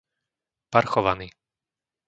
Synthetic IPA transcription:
paɾxɔʋaniː

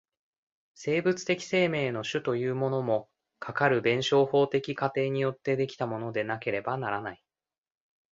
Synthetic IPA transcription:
se̞ːbɯ̟t͡sɨ̥t̪e̞kʲi̥se̞ːme̞ːno̞ɕɨt̪o̞jɯ̟ːmo̞no̞mo̞ | kʰakaɾɯ̟bẽ̞ɰ̃ɕo̞ːho̞ːt̪e̞kʲikat̪e̞ːɲ̟ijo̞t̪ːe̞d̪e̞kʲi̥t̪amo̞no̞d̪e̞nake̞ɾe̞banaɾanai

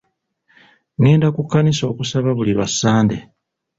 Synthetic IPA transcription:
neːndakukːaniso̞ːkusaβaβuliβasːaːnde

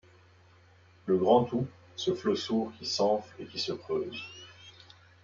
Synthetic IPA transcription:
ləɡʁɑ̃t̪u | səflosuʁkʲisɑ̃fekʲisəkχøːz

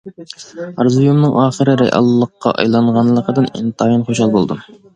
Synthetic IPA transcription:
ɑɾzujumnɨŋʔɑːχəɾɨɾɛjʔɑ̰lˠːəqːɑ̰ʔɑ̰jlˠɑɴʁɑnlˠəqʰəd̪ɨnḭnt̪ʰɑːjinχoʃɑlˠbolˠd̪u

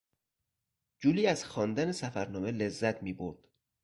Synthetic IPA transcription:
d͡ʒuːliːæz̥xɒːnd̪ænesæfæɾnɒːmele̞zːæt̪ʰmiːboɾd̪̥

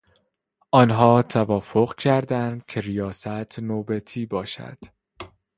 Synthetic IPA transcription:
ʔɒːnɦɒːt̪ʰævɒːfo̞ɣcʰæɾd̪ænd̪̥cʰe̞ɾijɒːsæt̪ʰnoːbæt̪ʰiːbɒːʃæ̰d̪̥

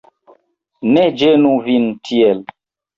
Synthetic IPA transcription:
nɛd͡ʒenũvintʰiɛl

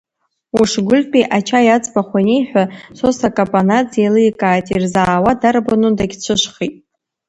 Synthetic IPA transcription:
uʂɡʷʊlpʼiʔat͡ʃʰajat͡sʼbaχʷanʲejħʷᶣasosakʼapʼanat͡sjalɨjkʼaːtʼirzaːwadarbanudaɡʲt͡ʃʷʰɨʃʷχitʼ

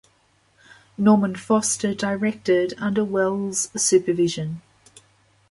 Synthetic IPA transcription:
nɔːmə̃nfɒstədəɪɹɛk̚tədʌ̃ndəwɛlˠz̥sʉˑpəvɪʒə̃n

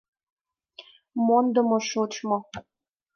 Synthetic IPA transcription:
mond̪ə̆moʃot͡ɕmo

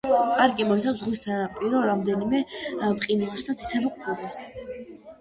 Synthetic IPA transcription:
aɾɡʼimɔsʰazʁwisanapʼiɾɔɾamd̪ɛnimɛpqʼinulˠʃd̪ʰat̪sʰi̥sʰɛbɔqʼʰɛbas

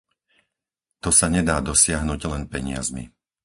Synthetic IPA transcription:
t̪ɔsaɲɛd̪aːd̪ɔsɪaɦnuɟlɛnpɛɲɪ̰a̰zmḭ

